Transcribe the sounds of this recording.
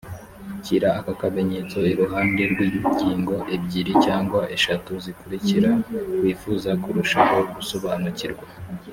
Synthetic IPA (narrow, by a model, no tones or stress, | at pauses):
ciɾaːkakame̞ɲet͡so̞iɾuɦaːnde̞ɾɡwiːuciːŋɡo̞ʔebɟiɾicaːŋɡwaʔe̞ʃatuzikuɾiciɾakwiːfuzakuɾuʃaho̞ɡusoβaːnuciɾɡwa